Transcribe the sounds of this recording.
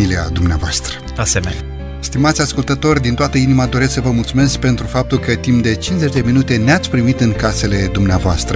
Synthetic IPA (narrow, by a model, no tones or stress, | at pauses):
ilia̰d̪umneavoast̪ɾə | asemenʲ | st̪imat̪sʲaskult̪ət̪o̞rʲd̪int̪oat̪əinimad̪o̞ɾesksəvəmult̪sume̞sk̚ʲpe̞nt̪ɾufap̚t̪ulkət̪impd̪e̞t͡ʃinze̞t͡ʃʲd̪e̞minut̪e̞neat̪sʲpɾimit̪ɨnkase̞le̞d̪umneavoast̪ɾə